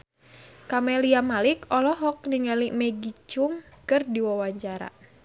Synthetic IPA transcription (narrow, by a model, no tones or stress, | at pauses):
kamɛliamalikɔlɔɦɔk̚niŋalimɛɡit͡ʃʊŋkɨrdiwawaɲt͡ʃaɾa̰